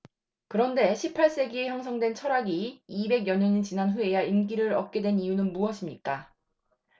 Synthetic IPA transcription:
kɯɾʌnde̞ɕʰipʰaɭs͈e̞ɡie̞çjʌŋsʰʌŋdwe̞nt͡ɕʰʌɾaɡiːbe̞ɡjʌɲʌɲint͡ɕinanɸue̞jaimk͈iɾɯɾʌp̚k͈e̞dwe̞nijunɯnmuʌɕʰimɲik͈a

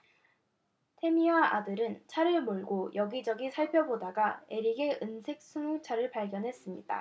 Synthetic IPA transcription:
tʰe̞miaʔadɯɾɯnt͡ɕʰaɾɯɭmoɭɡojʌɡid͡ʑʌɡisʰaɭpʰjʌbodaɡae̞ɾiɡe̞ʔɯnsʰe̞k̚s͈uŋut͡ɕʰaɾɯɭpaɭɡjʌnɦe̞s͈ɯmɲida̰

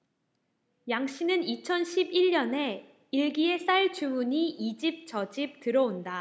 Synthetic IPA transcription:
jaŋɕ͈inɯnit͡ɕʰʌnɕʰibiʎːʌne̞ | iɭɡie̞s͈aɭt͡ɕumuɲiʔid͡ʑip̚t͡ɕʌd͡ʑip̚tɯɾʌonda

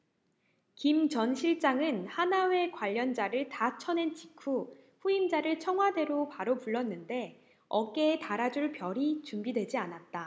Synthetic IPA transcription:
kimt͡ɕʌnɕʰiɭt͡ɕ͈aŋɯnhanawe̞kwaʎːʌnd͡ʑaɾɯɭtat͡ɕʰʌne̞nt͡ɕikʰuɸuimd͡ʑaɾɯɭt͡ɕʰʌŋɦwade̞ɾopaɾopuɭːʌnːɯnde̞ | ʌk͈e̞ːtaɾad͡ʑuɭpjʌɾit͡ɕumbidwe̞d͡ʑianat̚t͈a

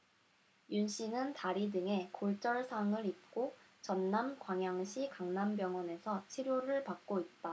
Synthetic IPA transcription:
junɕ͈ʰinɯntaɾidɯŋe̞koɭt͡ɕ͈ʌɭsʰaŋɯɾip̚k͈ot͡ɕʌnːamkwaŋjaŋɕʰikaŋnambjʌŋwʌne̞sʰʌt͡ɕʰiɾjoɾɯɭpak̚k͈oit̚t͈a

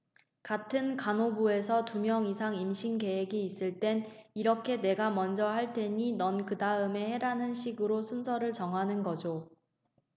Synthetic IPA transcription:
katʰɯnkanobue̞sʰʌtumjʌŋisʰaŋimɕʰinke̞ɦeɡiːs͈ɯɭt͈e̞niɾʌkʰe̞ne̞ɡamʌnd͡ʑʌhaɭt͈e̞ɲinʌnkɯdaɯme̞he̞ɾanɯnɕʰiɡɯɾosʰunsʰʌɾɯɭt͡ɕʌŋɦanɯnɡʌd͡ʑo

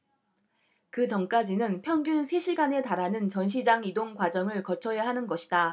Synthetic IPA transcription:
kɯt͡ɕʌŋk͈ad͡ʑinɯnpʰjʌŋɡjunsʰe̞ɕʰiɡane̞taɾanɯnt͡ɕʌnɕʰid͡ʑaŋidoŋkwad͡ʑʌŋɯɭkʌt͡ɕʰʌjaɦanɯnɡʌɕʰi̥da

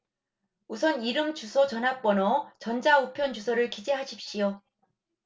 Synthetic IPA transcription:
usʰʌniɾɯmt͡ɕusʰʌt͡ɕʌnɦak̚p͈ʌnʌt͡ɕʌnd͡ʑaupʰjʌnd͡ʑusʰʌɾɯɭkid͡ʑeɦaɕʰip̚ɕ͈ijo

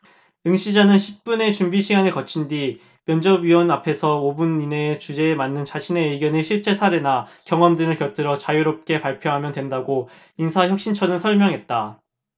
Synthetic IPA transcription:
ɯŋɕʰid͡ʑanɯnɕʰi̥p̚p͈une̞t͡ɕumbiɕʰiɡanɯɭkʌt͡ɕʰindi | mjʌnd͡ʑʌbɥiwʌnapʰe̞sʰʌobunine̞t͡ɕud͡ʑe̞ːmanːɯnt͡ɕaɕʰine̞ɯɡjʌnɯɕʰiɭt͡ɕ͈e̞sʰaɾenakjʌŋʌmdɯŋɯɭkjʌt͈ɯɾʌt͡ɕajuɾop̚k͈e̞paɭpʰjʌɦamjʌndwe̞ndaɡo | insʰaçjʌk̚ɕ͈int͡ɕʰʌnɯnsʰʌɭmjʌŋɦe̞t̚t͈a

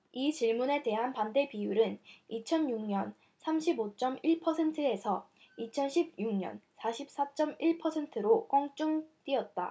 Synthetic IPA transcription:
it͡ɕiɭmune̞te̞ɦanpande̞pijuɾɯnit͡ɕʰʌnjuŋɲʌn | sʰamɕʰibot͡ɕ͈ʌmiɭpʰʌsʰe̞ntʰɯe̞sʰʌ | it͡ɕʰʌnɕʰib̚juŋɲʌ̰nsʰaɕʰip̚s͈at͡ɕ͈ʌmiɭpʰʌsʰe̞ntʰɯɾok͈ʌŋt͡ɕ͈uŋt͈iʌt̚t͈a̰

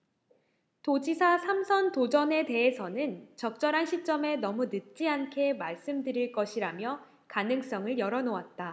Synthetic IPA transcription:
tod͡ʑisʰasʰamsʰʌntod͡ʑʌne̞te̞ɦesʰʌnɯnt͡ɕʌk̚t͡ɕ͈ʌɾɦanɕʰit͡ɕ͈ʌme̞nʌmunɯt̚t͡ɕ͈iankʰe̞maɭs͈ɯmdɯɾiɭk͈ʌɕʰiɾamjʌ | kanɯŋs͈ʌŋɯɭjʌɾʌnoat̚t͈a

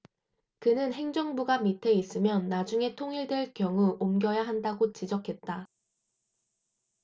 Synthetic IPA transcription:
kɯnɯnɦe̞ŋd͡ʑʌŋbuɡamitʰe̞is͈ɯmjʌnːad͡ʑuŋe̞tʰoŋiɭdweɭkjʌŋuʔomɡjʌjaɦandaɡot͡ɕid͡ʑʌkʰe̞t̚t͈a

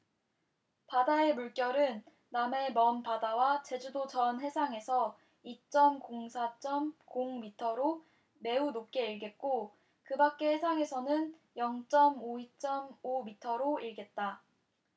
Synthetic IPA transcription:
padae̞muɭk͈jʌɾɯnː | ame̞mʌnpadawat͡ɕe̞d͡ʑudod͡ʑʌnɦe̞sʰaŋe̞sʰʌ | it͡ɕ͈ʌmkoŋsʰat͡ɕ͈ʌmkoŋmitʰʌɾo | me̞unop̚k͈e̞iɭɡe̞t̚k͈o | kɯbak̚k͈e̞hesʰaŋe̞sʰʌnɯn | jʌŋt͡ɕ͈ʌmoit͡ɕ͈ʌmomitʰʌɾoiɭɡe̞t̚t͈a

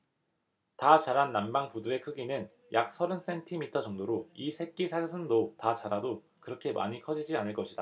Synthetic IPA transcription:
tat͡ɕaɾanːambaŋpudue̞kʰɯɡinɯn | jak̚sʰʌɾɯns͈e̞ntʰimitʰʌd͡ʑʌŋdoɾoisʰe̞k̚k͈isʰasʰɯndotat͡ɕaɾado | kɯɾʌkʰe̞ma̰ɲikʰʌd͡ʑid͡ʑianɯɭk͈ʌɕʰid̥a

